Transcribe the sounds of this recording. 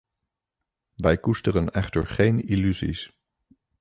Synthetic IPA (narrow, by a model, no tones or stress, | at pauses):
ʋɛjkustərənɛχtə̰ɹχejnilyzḭs